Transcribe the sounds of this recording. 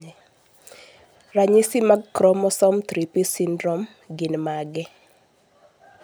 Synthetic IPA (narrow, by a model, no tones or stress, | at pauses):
ɾaɲisimaɡkɾɔmɔsɔmt̪ɾipisindɾɔm | ɡɪnmaɡɛ